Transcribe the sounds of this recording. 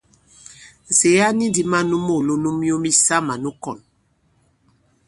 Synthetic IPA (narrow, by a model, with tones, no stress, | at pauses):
n̩˨se˨ja˦ni˦di˨ma˦nu˦mo˦˨lu˦nu˦mi˦o˦mi˦sa˦ma˨nu˦kɔ˨n